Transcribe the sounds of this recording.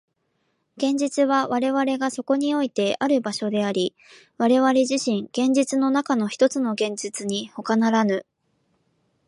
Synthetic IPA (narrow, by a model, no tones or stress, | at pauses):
ɡ̥ẽ̞ɲ̟d͡ʑit͡sɨβaβaɾe̞βaɾe̞ɡaso̞ko̞ɲ̟io̞it̪e̞ʔaɾɯ̟baɕo̞d̪e̞aɾʲi | βaɾe̞βaɾe̞ʑiɕĩŋɡ̥ẽ̞ɲ̟d͡ʑit͡sɨno̞nakano̞çi̥t̪o̞t͡sɨno̞ɡẽ̞ɲ̟d͡ʑit͡sɨɲ̟iho̞kanaɾanɯ